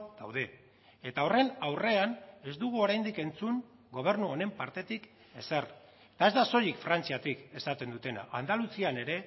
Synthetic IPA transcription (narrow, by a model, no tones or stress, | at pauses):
d̪awðe̞ | et̪ao̞re̞nawre̞ane̞zd̪uɣ̞uo̞ɾajnd̪ike̞nt͡suŋ | ɡo̞β̞e̞ɾnuo̞ne̞mpaɾt̪e̞t̪ik | e̞ser | t̪ae̞zd̪aso̞jikfɾant͡siat̪ike̞sat̪e̞nd̪ut̪e̞na̰ʔːnd̪alusiane̞ɾe̞